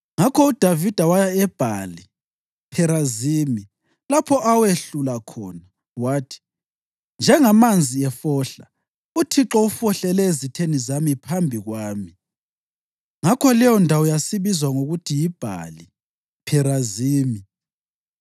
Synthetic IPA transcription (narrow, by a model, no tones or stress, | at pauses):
ŋakʰɔud̥ʱavid̥ʱawajaɛb̥ʱali | pʰɛɾaziːmi | lapʰɔʔaweɬulakʰɔ̰ːna | waːtʰi̥ | nd͡ʒʱɛŋamand͡zʱiɛfɔːɬa̰ | utʰiǁɔufɔɬɛlɛezitʰenizamipʰambʱiɣwaːmi | ŋakʰɔlɛjɔndʱawɔjasiβizwaŋoɣutʰijib̥ʱa̰li | pʰɛɾaziːmi